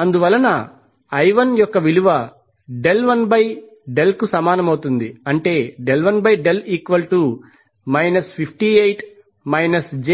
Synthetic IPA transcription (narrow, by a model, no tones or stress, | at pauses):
ɐnd̪uʋɐlːɐnɐː | jʋɐnjɔkːɐʋiluʋɐ | ɖe̞lʋɐnbɐj | ɖe̞lkusɐmaːnɐmɐwt̪und̪iɐɳʈe̞ːɖelʋɐnbɐjɖe̞liːkʋɐlʈu | mɐjnɐspʰipʰʈiejʈ | mɐjnɐsd͡ʒe